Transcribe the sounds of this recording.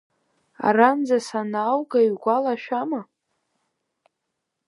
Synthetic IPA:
a̰rand͡zasanawɡajɥɡʷalaʃᶣama

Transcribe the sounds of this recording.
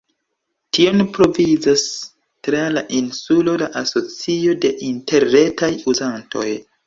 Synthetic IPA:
tʰio̞npɾo̞vizas | tɾalaʔinsulo̞laʔaso̞t͡sio̞de̞ʔinte̞ɾːe̞tajuzanto̞̰j

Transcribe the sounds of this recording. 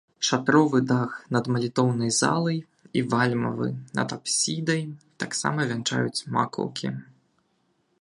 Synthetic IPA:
ʂat̪ɾɔvɨd̪axnɐd̪mɐlʲit̪ɔwnɐjza̰lˠɐj | ivalʲmɐ̰vɨ̰nɐ̰d̪apsʲid̪ɐjt̪aksa̰mɐvʲɛnt͡ʂa̰jut͡sʲma̰kɔ̰wˠkʲḭ

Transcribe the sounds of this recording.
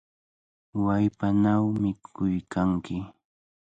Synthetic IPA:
wajpanawmɪkʰʊjkaŋkɪ

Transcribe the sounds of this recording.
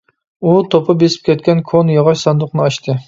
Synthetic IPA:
ut̪ʰopʰɑbesɪ̥p̚kʲʰɛt̪̚ʲkʲɛnkʰonjɑʁɑʃsɑnd̪ʊχnɨɑʃt̪ʰɨ

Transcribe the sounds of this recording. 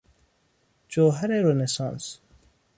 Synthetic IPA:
d͡ʒoːɦɐɾeɾonesɑ̰̃ːns

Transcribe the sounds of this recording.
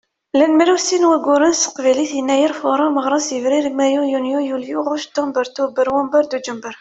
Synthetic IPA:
lænmɾæwsinwæɡʊɾənsə̥qvæliθjənːæjəɾfʊɾˤɑməʁɾˤɑsjəvɾiɾmæjujunjujuljuʁʊʃd̪ombəɾt̪ubəɾwɑmbəɾd̪ud͡ʒəmbəɾ

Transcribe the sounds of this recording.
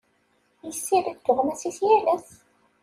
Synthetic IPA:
jəsːiɾæd̪ːʊʁmæsiθjælæθ

